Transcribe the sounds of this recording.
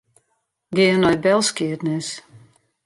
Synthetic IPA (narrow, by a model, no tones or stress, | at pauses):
ɡɪənɔjt̚bɛlˠskiətnɪs